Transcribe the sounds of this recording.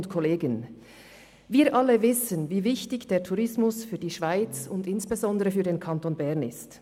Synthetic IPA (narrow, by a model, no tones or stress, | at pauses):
ntkʰɔleːɡən | viːʔɑləvɪsənviːvɪçtɪçd̥eːɐtʰuʁɪsmʊsfyːɐdiːʃv̥aɪt͡sʊndɪnsb̥ezɔndəʁəfyːdeːnkʰɑntoːnbɛʁnɪst